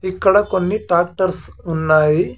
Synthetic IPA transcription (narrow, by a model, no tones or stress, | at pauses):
ikːɐɽakonːiʈaːk̚ʈɐɾsunːaːi